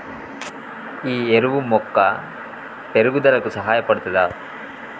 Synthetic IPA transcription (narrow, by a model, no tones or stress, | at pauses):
iːeɾuʋumɔkːɐ | p̪eɾuɡud̪ɐlɐkusɐɦaːjɐpɐɽut̪ːɐd̪aː